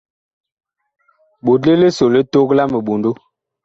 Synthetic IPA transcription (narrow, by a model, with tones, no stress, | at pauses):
ɓo˨dle˦le˦so˨le˦to˦kla˦mə˨ɓo˨ndo˦